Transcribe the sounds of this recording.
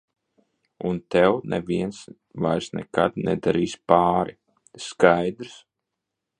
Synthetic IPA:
unt̪ɛwnʔɛ̰viɛns | vajsnɛ̰ka̰d̪nɛd̪aɾiːspaːɾi | skajd̪ɾs

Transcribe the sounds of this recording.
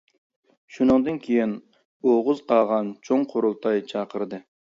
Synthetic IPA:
ʃunɨŋd̪ɨnkʲʰejin | oʁʊzqʰɑːʁɑnt͡ʃʰoŋqʰoɾulˠt̪ʰɑjt͡ʃʰɑqʰəɾɨd̪ɨ

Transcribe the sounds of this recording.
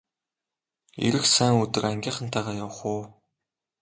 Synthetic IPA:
ḭɾɘ̆xsæːŋut̪ɘ̆kæŋɡʲiːχə̆nt̪ʰaæːʁaːjaw̆χuː

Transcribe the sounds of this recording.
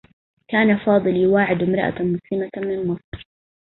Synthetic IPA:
kaːnafɑːd̪ˤɨljwaːʕɪd̪ɪmɾˤɑ̰ʔa̰mʊsɪmamɪnmɑsˤɾ

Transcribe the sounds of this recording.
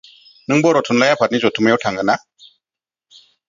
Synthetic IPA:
nɨŋboɾotʰunlajapatnizotumajotʰaŋɡəna

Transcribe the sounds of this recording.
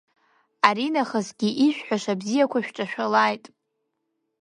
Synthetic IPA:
aɾinaχəzɡʲiʔiʃᶣʷħʷᶣaʂabzijakʷʰaʃᶣʈ͡ʂʼaʃᶣalajtʼ

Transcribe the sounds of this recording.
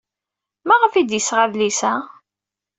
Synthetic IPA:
maʁəfid̪jəsʁaðlisæ

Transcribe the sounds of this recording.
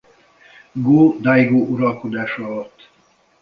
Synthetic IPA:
ɡoːd̪ajɡoːʔuɾɒlko̞d̪aːʃɒlot̪ː

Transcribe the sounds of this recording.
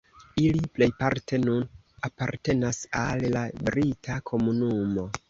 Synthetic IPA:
iliple̞jpaɾtʰe̞nun | apa̰ɾte̞nasalːabɾitʰakʰo̞munumo̞

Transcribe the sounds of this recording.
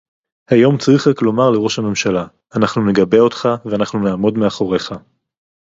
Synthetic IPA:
hajo̞mt͡sʁiχaklo̞maʁle̞ʁo̞ʃhame̞mʃalaː | naχnune̞ɡabe̞o̞t̪χaveanaχnunaːmo̞dmeaχo̞ʁe̞χa

